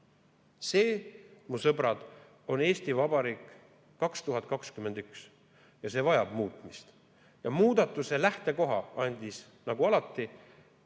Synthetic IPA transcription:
se̞ːmusɤbɾɑd̪̥ | o̞ne̞ːst̪ivɑb̥ɑɾiːkˑː | ɑkst̪uɦɑt̪̚ˑkɑkskyme̞nd̪yks | jɑse̞ːvɑjɑb̥muːt̪ˑmist̪ | jɑmuːd̪̥ɑt̪ːˑuse̞læht̪e̞ko̞ɦɑɑnʲd̪̥is | nɑɡuɑlɑt̪ːˑi

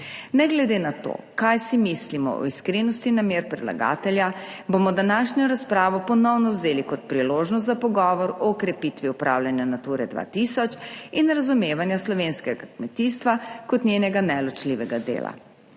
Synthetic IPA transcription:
nɛɡlɛd̪eːnat̪o̰ːkajsimislimɔ̰ʔɔ̰iskɾinɔst̪inameːɾpɾɛd̪la̰ɡa̰ːt̪ɛljabomɔd̪anaːʃɲɔɾaspɾaːʋɔpɔnɔwnɔwzeːlikɔt̪̚pɾiloːʒnɔs̬t̪zapɔɡɔːʋɔɾɔkɾɛpit̪ʋiupɾa̰wljanjanat̪uːɾɛd̪ʋa̰t̪isɔt͡ʃinɾazumeːʋanjaslɔʋeːnskɛɡakmɛt̪iːst̪ʋakɔt̪nɲʲjenɛɡanɛlɔt͡ʃliʋɛɡad̪ḛːla̰

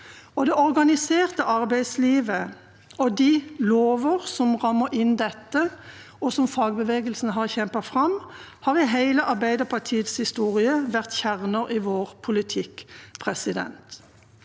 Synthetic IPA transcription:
ɔd̪ɛɔʁɡɑnɪseːʁt̪əʔɑʁbæɪd̪sliːʋə | ɔd̪ɪloːʋəʁsɔmʁɑmːəʁɪnd̪ɛt̪ːə | ɔsɔmfɑːɡbəʋeːɡəlsn̩əɦɑʁçɛmpəfʁɑm | hɑːʁɪɦæɪləʔɑʁbæɪd̪əʁpʰɑʁʈʰiːəd̪shɪst̪uːʁɪəʋæʁt̪çæʁnəʁiʋoːʁpʰʊlɪt̪ʰɪkpʰʁɛsɪd̪ɛ̰nt̪

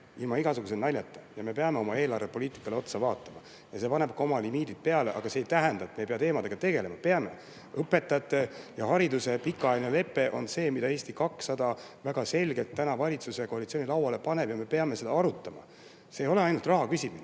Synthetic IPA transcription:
ilmɑiɡ̥ɑsuɡ̥us̬elnɑlʲjɑt̪ːˑɑjɑme̞pe̞ɑme̞o̞mɑe̞ːlɑrve̞po̞liːt̪ˑi̥kːˑɑle̞o̞t̪sɑvɑːt̪ːˑɑmɑ | jɑse̞pɑne̞b̥̚kɑo̞mɑlimiːd̪id̪̥̚pe̞ɑle̞ʔɑ̰ɡ̥ɑse̞ːjt̪æɦænd̪ɑet̪ːmejpeɑt̪eːmɑd̪e̞ɡ̥ɑt̪e̞ɡe̞le̞mɑpe̞ɑme̞̰ | ɤpːˑe̞t̪ːˑɑt̪ːˑe̞jɑhɑɾid̪usepikːˑɑɑjlinele̞pːˑe̞ʔo̞nse̞ːmid̥̪ɑeːst̪ikɑksːɑd̪̥ɑ | væɡ̥ɑse̞lʲɡe̞lt̪ːænɑvɑlʲit̪suse̞ko̞ɑlit̪sionilɑwɑle̞pɑne̞bjɑme̞pe̞ɑme̞se̞d̪̥ɑɑɾut̪ˑːɑmɑ̰ | se̞ːjo̞le̞ɑjnult̪rɑɦɑkysʲimin

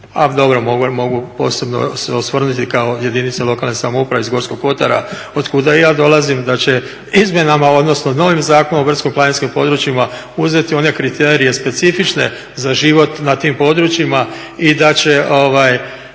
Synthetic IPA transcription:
a̰d̪o̞bɾo̞moɡumo̞ɡupo̞̰ːse̞bno̞̰seosʋr̩nut̪ikaoje̞d̪init̪selo̞kalnesamoupɾaʋeizɡo̞ɾsko̞ɡo̞t̪aɾa̰ | o̞d̪kud̪ajaːd̪o̞lazimd̪at͡ɕe̞ | izmʲje̞namao̞d̪no̞snono̞ʋimzaːko̞noor̩t̪skimplaninskimpo̞d̪ɾut͡ʃima | uze̞t̪io̞ne̞kɾit̪e̞ːɾije̞spe̞t̪sifit͡ʃne̞̰ | zaʒiʋo̞t̪nat̪iːmpo̞d̪ɾut͡ʃima | id̪at͡ɕe̞ʔo̞ʋaj

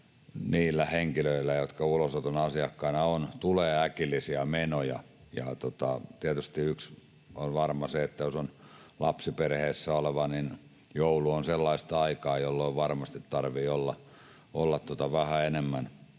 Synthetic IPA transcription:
niːlːæheŋkiløilːæjot̪kɑulosot̪onɑsiɑkːɑinɑont̪uleːækilːˑisiɑmenojɑ̰ | jɑ̰t̪ot̪ɑt̪iæt̪yst̪iyks | onʋɑrmɑseet̪ːæjosonlɑpsiperheːsːæoleʋɑnin | jouluonselːɑist̪ɑikɑːjolːoiʋɑrmɑst̪it̪t̪ɑrʋiːolːɑ | olːɑt̪t̪ot̪ɑʋæhæenemːæn

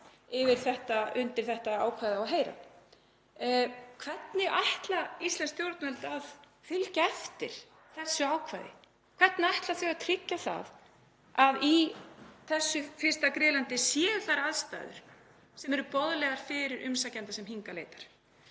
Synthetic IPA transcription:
ɪvɪɾ̥θɛht̪aʏnt̪ɪɾ̥θɛht̪aaːwkʰvajðawɦejɾa̰ | kʰv̥ɛt̪nɪaht̪laist̪lɛnst̪jowɾt̪nmɛlt̪að | fʏlcaɛft̪ɪɾ̥ | θɛsːʏaːwkʰva̰jðɪ̰ | kʰv̥ɛht̪naajht̪laθɛɣat̪ʰɾɪcːaθa̰ð | aðiθɛsːʏfɪr̥st̪akɾɪːðlant̪ɪsjɛːθaɾaðst̪a̰ːjðʏ̰ɾ̥ | sɛmɛɾʏpɔðlɛɣaɾ̥fɪɾɪɾʔʏmsacɛnt̪asɛmɦiŋkalḛːjt̪ḁɾ̥

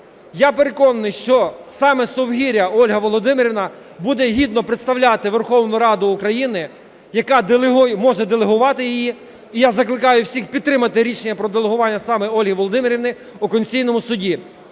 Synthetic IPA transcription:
japeɾe̞kɔnɐnɪjʃt͡ʃɔsɑmɛsɔwɦʲiɾʲɐɔlʲɦɐʋɔlˠɔd̪ɪmɪɾʲiʋnɐ | bud̪ɛɦʲid̪nɔpɾet̪st̪ɐwlʲat̪ɪʋerxɔwnʊɾɑd̪ʊːkɾɐjinɪ | jɐkɑd̪ɦmɔʒɛd̪elˠeɦʊʋɑt̪ɪjijiː | jazɐklˠɪkɑjʊwsʲixpʲid̪̚t̪ːɾɪmɐt̪ɪɾʲiʃenʲːɐpɾɔd̪elˠeɦʊʋɑnʲːɐsɑmɛɔlʲɦɪʋɔlˠɔd̪ɪmɪɾʲiʋnɪ | ʊkɔnʲt͡sʲijnɔmʊsʊdʲi

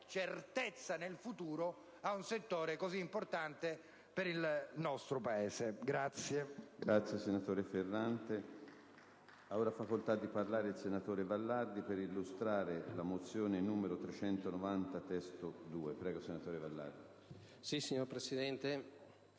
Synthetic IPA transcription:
t͡ʃert̪et̪sːanelfut̪uːɾo | aunset̪ːoːɾekoziːmport̪ant̪e | peɾilnɔst̪ɾopaeːzeɡɾat̪sjeɡɾat̪sːjesenat̪oːɾeferːant̪e | aoːɾafakolt̪ad̪ːiparlaːɾeilsenat̪oːɾevalːard̪ipeɾilːust̪ɾaːɾelamot̪sːjoːnenuːmeɾot̪ɾet͡ʃɛnt̪onovant̪at̪ɛst̪od̪uːepɾɛːɡosenat̪oːɾevalːa̰rd̪i | sisiɲːoɾpɾesid̪ɛnt̪e

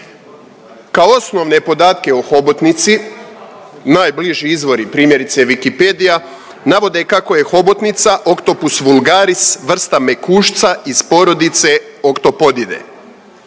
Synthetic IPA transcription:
kaoosno̞ʋne̞po̞d̪aːt̪ke̞oxo̞bot̪nit̪si | naːjbliʒiizʋo̞ɾipɾiːmje̞ɾit̪seʋikiped̪ija | naʋo̞d̪e̞kako̞jexo̞bot̪nit̪saʔokt̪o̞pusʋulˠɡaːɾisʋr̩st̪ame̞kuːʃt̪saispo̞ɾo̞d̪it̪se̞ | o̞kt̪o̞po̞d̪id̪e̞̰

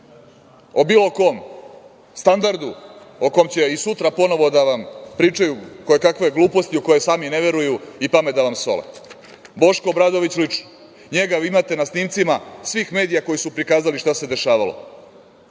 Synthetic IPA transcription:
obiːlˠo̞ko̞ːm | st̪and̪aɾd̪uoko̞mt͡ɕeisut̪ɾapo̞no̞ʋo̞d̪aʋampɾiːt͡ʂajukojekakʋe̞ɡlˠuːpost̪ioko̞jesaːmine̞ʋe̞ɾujuipamed̪aʋamso̞̰lḛ | bo̞ʃko̞bɾad̪o̞ʋit͡ɕlit͡ʂno | ɲe̞ɡaʋimat̪e̞nasniːmt̪simasʋiːxme̞ːd̪ijako̞jisupɾikaːzaliʃt̪ase̞d̪e̞ʃaːʋa̰lo̰

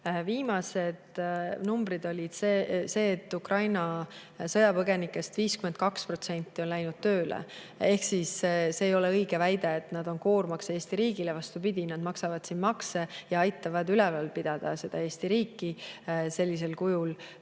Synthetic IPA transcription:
viːmɑse̞d̪̥numbɾid̪o̞lʲid̪̥sese̞ːt̪ːˑukrɑjnɑ | sɤjɑpɤɡe̞nikːˑe̞st̪viːskymen̚kɑkspro̞t̪se̞nʲt̪ːˑio̞nlæjnud̪̥̚t̪øːlḛ | e̞hksisseːjo̞le̞ɤjɡ̥e̞væjd̪eet̪nɑd̪̥o̞nko̞ːɾmɑksee̞ːst̪iɾiːɡile̞vɑst̪upid̪̥ʲinɑd̪mɑksɑvɑd̪̥sinmɑkse̞jɑɑjt̪ːˑɑvɑd̪ylɛvɑlpid̪̥ɑd̪̥ɑse̞d̪̥ɑe̞ːst̪iɾiːkːˑise̞lʲːis̬e̞lkujul

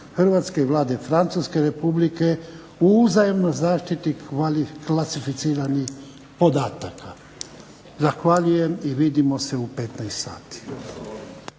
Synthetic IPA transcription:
xr̩ʋat̪ske̞iʋlˠaːd̪e̞fɾant̪suske̞ɾe̞publike̞ | uuzajemnozaːʃt̪it̪iaiklasifit̪siːɾanix | po̞d̪aːt̪akʰa | zaxʋaʎuje̞miʋid̪imo̞seupe̞t̪najst̪sa̰ːt̪i̥

